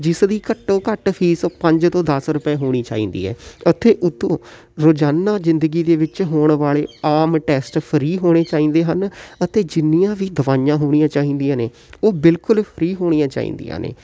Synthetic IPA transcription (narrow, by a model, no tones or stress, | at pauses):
d͡ʒɪsd̪iːkəʈːõːkəʈpʰiːsõːpəɲd͡ʒt̪õːd̪əsɾʊpɛːɦoːɽ̃iːt͡ʃa̰ːḭ̃ːnd̪ḭːɦɛ̰ːət̪ʰːeːʔʊt̪ʰːõː | ɾoːd͡ʒaːnːaːzɪnd̪əɡiːd̪eːʋɪt͡ʃɦoːɳʋaːɭeːaːmʈɛːsʈpʰəɾiːɦoːɽ̃eːt͡ʃaːĩːnd̪eːɦənət̪eːd͡ʒɪnijãːʋiːd̪əʋaːjãːɦoːɽ̃ijãːt͡ʃaːĩːnd̪ijãːneː | oːbɪlkʊlpʰəɾiːɦoːɽ̃ijãːt͡ʃa̰ːḭːnd̪ḭjã̰ːnḛː